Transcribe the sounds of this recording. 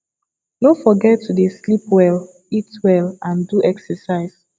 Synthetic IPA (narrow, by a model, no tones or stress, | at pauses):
nofɔɡɛtːudeslipwɛl | itwɛlãnduʔɛksɛsaɪs